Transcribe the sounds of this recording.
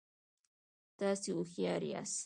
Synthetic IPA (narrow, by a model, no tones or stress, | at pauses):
t̪asiʊxjaɾia̰s